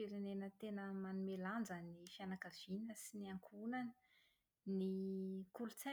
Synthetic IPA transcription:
eɾenenət̪enəmanumeland͡zanifianakəv̥ininəsiniaŋkʰunanə̥ | nikulut͡sa

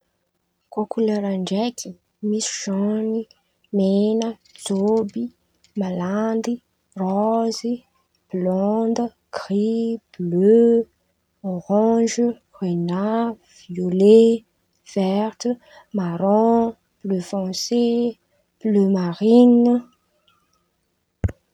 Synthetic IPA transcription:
kokulaɾaɳɖ͡ʐɛki̥ | misi̥ʒɔni | menə | t͡sobi | maland̪i | rɔzi | b̥lɔ̃nd̪ə | krib̥lø | oʁɔ̃ʒə | ʁena | vjole | vɛʁt̪ə | maɾɔ̃ | b̥løfɑ̃se | b̥lømaʁinə

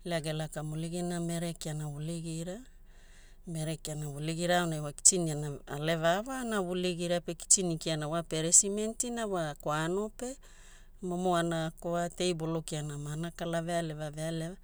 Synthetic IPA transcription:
leaɡelakamuliɡiname̞ɾekianawuliɡiɾa | meɾekianawuliɡiɾaonajwaki̥t͡ʃinianaa̰le̞vavanaβuliɡiɾapeki̥t͡ʃinikianawapeɾesimentinawakoano̞pe̞ | momoanakoate̞jbo̞lokianamanakalaveale̞vavealea

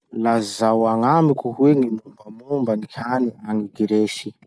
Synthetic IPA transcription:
lazawaŋamikʲuhweŋimumbəmumbənikʲʰaniaŋiɡiɾeʃi

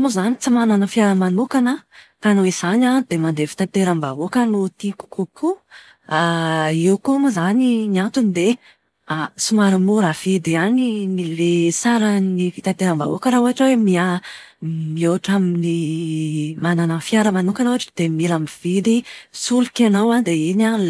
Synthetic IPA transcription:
muzanit͡simananəfiaɾəmanukanə | kanoiz̥anad̪̥emand̪efi̥t̪ant̪eɾamvavokanot̪iku̥kukʰu | aiwkumuzaniniant̪unid̪e | asumaɾamoɾav̥id̪ianinilesaɾənifi̥t̪ant̪eɾamva̰o̰kəɾaoaʈ͡ʂwemia | mioaʈ͡ʂamini | mananafjaɾəmanukanoaʈ͡ʂi̥d̪̥emilamiv̥id̪isulukʲanawand̪eina

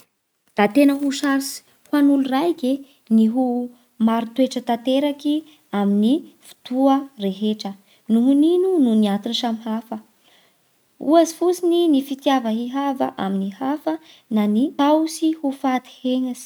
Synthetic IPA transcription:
d̪̥at̪enəɦuʃaɾsi̥ | hwanulurajke | niɦu | maɾit̪weʈ͡ʂət̪at̪eɾaki | aminifu̥t̪uəreɦeʈ͡ʂə | nuɦuninununiant̪inisamiɦafə | uazifusininifit̪javəɦiɦavə̰ʔaminihafə | nanit̪awsihufat̪i̥heŋasi̥

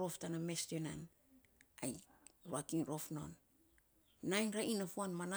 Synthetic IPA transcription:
ɾo̞ftanamestonan | ajɾuakinɾo̞fno̞̰n | najnɾaʔinafuanmana

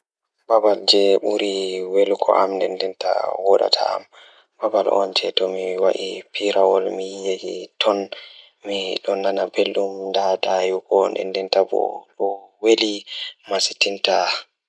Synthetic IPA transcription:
babald͡ʒɛɓuɾiwelukʰɔ̰ʔamndɛndɛnta̰wɔɗa̰tʰa̰a̰m | babalʔɔ̰nd͡ʒɛtɔmiwaʔipiɾawɔlmijeɡḭtʰɔn | miɗɔnːanabelɗumdadajuɡɔndɛ̰ndɛntabɔ̰ɗɔwelimasi̥tinta

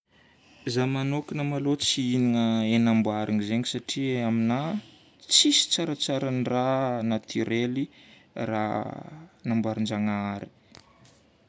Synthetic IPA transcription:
zamanokinəmalot͡siiniŋəenambwaɾiŋizeŋisaʈ͡ʂiamina | t͡sisi̥t͡saɾət͡saɾəniranat̪ʰiɾeli | ra̰ | nambwaɾind͡ʒaŋaɾi̥

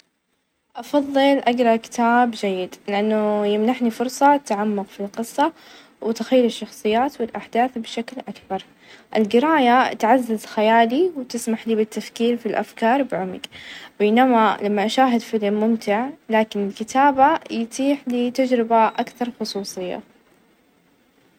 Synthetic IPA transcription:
ʔɑfɑðˤːɨlʔaɡɾˤɑkɪ̥t̪aːbd͡ʒajːɪd̪lɪʔanːʊjɪmnaħnifʊɾsˤɑt̪aʕamːʊqfilqɨsˤːɑ | wɪt̪axajːʊlɪʃːɑxsˤɨjːaːt̪wɪlʔaħd̪aːθbɪʃaklʔakbɑɾˤ | ʔɪlɡɪɾɑːjat̪ʕazːazxajaːliwt̪ɪsmaħliːbɪt̪ːafkiːɾfilʔa̰fkɑːɾˤbɪʕʊmɪɡbeːnamalamːaʔaʃaːɦɪd̪fɪlmːʊmt̪ɪʕlaːkɪnɪlkɪt̪ʰaːbajt̪ʰiːħliːt̪ad͡ʒɾɪbaʔakθɑɾˤxʊsˤuːsˤɨjːa̰

